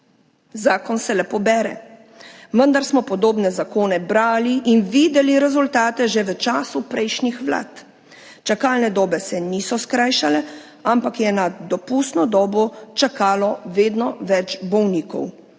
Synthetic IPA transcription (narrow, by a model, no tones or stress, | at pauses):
zaːkɔnsɛlɛpɔbɛːɾɛ̰ | ʋənd̪aɾsmɔpɔd̪oːbnɛzakoːnɛbɾaːliʔinʋiːd̪ɛliɾɛzult̪aːt̪ɛʒɛʋət͡ʃaːsupɾɛjʃnixʋla̰ːt̪ | t͡ʃakalnɛd̪ɔːbɛsɛniːsɔskɾaːjʃalɛ | ampakjɛnad̪ɔpust̪nɔd̪ɔːbɔt͡ʃakaːlɔʋeːd̪nɔʋɛt͡ʃbɔwniːkɔ̰w